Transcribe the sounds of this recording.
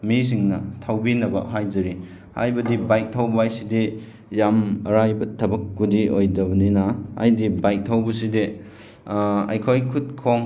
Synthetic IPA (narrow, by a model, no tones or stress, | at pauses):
mis̬iŋnɐtʰawbinɐbɐ̰ɦajd͡ʒɐɾi | ha̰jbɐdibajk̚tʰawbajside | jamɐɾajbɐtʰɐbɐk̚budiojdɐbɐninɐa̰jdibajk̚tʰawbɐside | ɐ̰jkʰojkʰut̚kʰoŋ